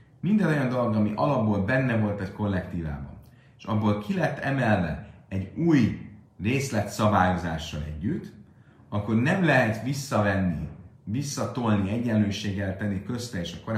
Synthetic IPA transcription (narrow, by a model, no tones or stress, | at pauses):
mind̪ɛnojɒnd̪o̞lo̞ɡɒmiʔɒlɒbːolbɛnːɛvo̞lt̪ɛcko̞lːɛkt̪iːva̰ːbɒ̰n | eʃɒbːoːlkʰilɛt̪ːɛmɛlːɛ̰nɛɟuːj | reːslɛt̪sɒbaːjo̞zaːʃːɒlɛ̰ɟːyt̪ː | ɒkːo̞rnɛmlɛɦɛt̪ʋisːɒvɛnːi | visːɒt̪olniɛɟːɛnløːʃeːɡːɛlt̪ɛnːikø̞st̪ɛeːʃɒko̞ɾ